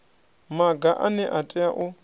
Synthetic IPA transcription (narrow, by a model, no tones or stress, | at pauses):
maɡaʔanɛʔatʼɛaʔʊ